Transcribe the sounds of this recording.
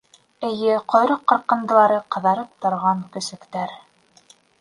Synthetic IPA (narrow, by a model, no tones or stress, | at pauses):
ɘ̆jɘqŏjɾoqːɤ̆ɾqːɤ̆nd̪ɤ̆lˠɑɾɤqɤ̆ðɑɾɤp̚t̪ŏɾʁɑŋkɵ̆sɘ̆kt̪æɾ